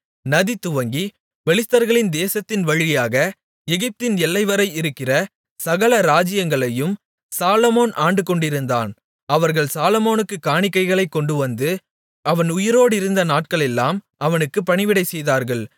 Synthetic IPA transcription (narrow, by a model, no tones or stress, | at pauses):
nɐðit̪ːʊʋɐŋɡi | ʋɛɭɪt̪ːɐɾɣɐɭɪnd̪eːsɐt̪ːɪnʋɐɻɪjaːɣɐ | ɛɣɪp̚t̪ɪnɛlːɐɪʋɐɾɐɪɪɾɯkːɪrɐ | sɐɣɐlɐɾaːd͡ʒɪjɐŋɡɐɭɐjɯm | saːlɐmoːnʔaːɳɖɯkːɔɳɖɪɾɯnd̪a̰ːn | ɐʋɐɾɣɐɭsaːlɐmoːnɯkːɯkːaːɳɪkːɐɪɣɐɭɐɪkːɔɳɖɯʋɐnd̪ɯ | ʔɐʋɐnʊjɪɾoːɽɪɾɯnd̪ɐnaːʈ̚kɐɭɛlːaːm | ɐʋɐnɯkːɯpɐɳɪʋɪɽɐɪsɛjðaːɾɣɐɭ